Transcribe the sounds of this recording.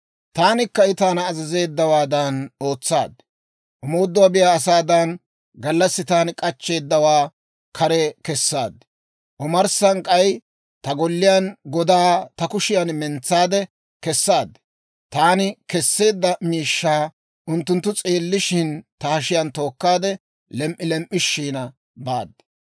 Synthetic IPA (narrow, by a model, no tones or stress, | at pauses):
t̪aːnɪkːɐɪt̪aːnɐːzɐze̞ːd̪ːɐwaːd̪ɐnoːt͡sːa̰ːd̪ɛ̥ | ʔʊmoːd̪ːʊwaːbɪjaːsaːd̪ɐn | ɡɐlːɐsːɪt̪aːnkʼɐt͡ʃːe̞ːd̪ːɐwaː | kʰɐɾɛkɛsːaːd̪ɛ̥ | ʔɔmɐɾsɐŋkʼɐj | t̪ɐɡɔlːɪjanɡɔd̪aːt̪ɐkʊʃɪjɐnmɛnt͡sːaːd̪ɛ | kɛsːaːd̪ɛ̥ | t̪aːnɪkɛsːe̞ːd̪ːɐmiːʃːaː | ʔʊnt̪ːʊnt̪ːʊt͡sʼe̞ːlːɪʃɪnt̪ɐhɐʃɪjɐnt̪o̞ːkːaːd̪ɛ | lɛmʔɪlɛmʔːɪʃːiːnɐ | baːd̪ːɛ̥